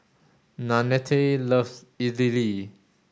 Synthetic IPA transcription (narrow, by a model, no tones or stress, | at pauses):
nanɛtʰeləvs | izili